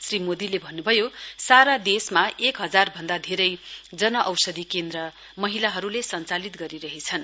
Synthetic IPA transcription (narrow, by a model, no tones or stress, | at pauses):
srimod̪ilebʱʌnːubʱʌjosaɾad̪esmaekɦʌd͡zarbʱʌnd̪ad̪ʱeɾʌjd͡zʌnʌʔʌwsʌd̪ikend̪rʌ | mʌɦilaɦʌɾulesʌnt͡salit̪ɡʌɾiɾʌɦet͡sʰʌn